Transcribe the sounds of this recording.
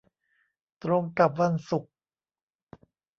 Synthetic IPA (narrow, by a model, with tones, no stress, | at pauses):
t̪ɾo˧ŋka˨˩p̚wa˧nsu˨˩k̚